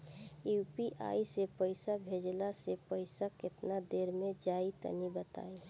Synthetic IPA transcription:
jupiʔa̰ːisepəɪsabʱeːd͡ʒlasepəɪsakɪt̪nad̪eːɾmẽd͡ʒaːit̪ə̰nibət̪a̰ːi

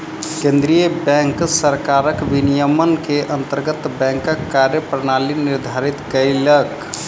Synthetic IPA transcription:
kẽnd̪ɾijəbɛ̃ŋksəɾkaɾəkʋinijəmənkeʔənt̪əɾɡət̪bɛ̃ŋkəkːaɾjəpɾənaliniɾd̪ʱaɾit̪kəɪlək

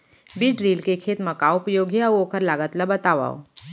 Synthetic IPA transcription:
biːʈɾiːlkekʰeːt̪mɐkaːʊpjoːɡeɐoːkəɾlaːɡət̪ləbət̪aːʋa̰ːo̰

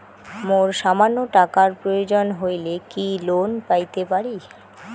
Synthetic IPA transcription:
moɾʃamanːoʈakaɾpɾojod͡ʑonɦojlekilonpajt̪epaɾi

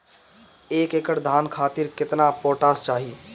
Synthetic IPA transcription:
eːkekəʈd̪ʱankʰaːt̪iɾkɪt̪napoːʈaːst͡ʃaːɦi

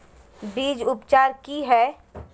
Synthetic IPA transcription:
biːd͡ʒʊpt͡ʃaːɾkiɦɛː

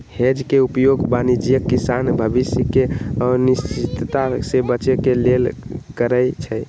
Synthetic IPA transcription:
hed͡ʒkeupjoɡbanid͡ʒijəkːisanbʱəbisjəkeɔnist͡ʃit̪t̪asebət͡ʃekelelkəɾəjt͡ʃʰɛ

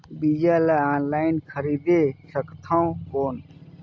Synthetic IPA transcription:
bid͡ʒalaanlainkʰəɾid̪esəkt̪ʰãkon

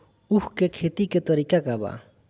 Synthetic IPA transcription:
uhkekʰet̪iket̪ɔɾikakaba̰

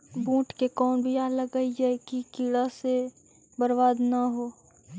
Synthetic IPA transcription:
bũːʈkekɔːnbʱiaːləɡɐid͡ʒaːekikiːɽase | bəɾbaːd̪naɦoː

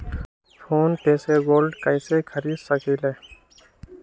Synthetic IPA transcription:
pʰoːnpeːseɡoːlɖkəjsekʰəɾiːd̪səkʰile

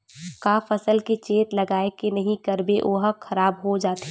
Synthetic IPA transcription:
kaːfəsəlket͡ʃeːt̪lɐɡaːekenɐɦĩkɐɾbeʔoːɦəxʰɐɾaːbɦod͡ʒaːt̪e

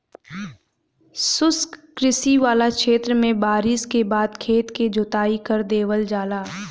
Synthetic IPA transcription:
sʊskkɾɪsiʋaːlakʃeːt̪ɾəmẽbaːɾɪskebaːd̪kʰeːt̪ked͡ʒʱot̪aːikəɾd̪eːʋəld͡ʒaːlaː

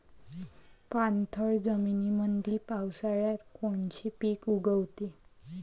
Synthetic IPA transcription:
pant̪ʰəɭd͡zəminiməd̪ʱipawsaɭjat̪koɳt͡ɕipikuɡəwt̪e

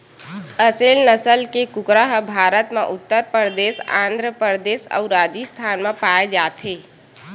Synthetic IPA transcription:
əseːlnəsəlkekʊkɾaɦbʱaːɾət̪mẽʔʊt̪ːəɾpɾəɾd̪eːsã̰ːnd̪ʱɾəpəɾd̪eːsə̰uɾaːd͡ʒist̪ʰaːnmẽpaːed͡ʒaːt̪ʰɦeː

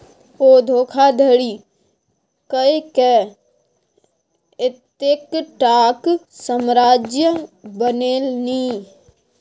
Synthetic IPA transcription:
oːd̪ʱoːkʰad̪ʱəɽi | kəekɛ | ɪt̪ekʈaːksəmɾaːd͡ʒjəbəneːlni

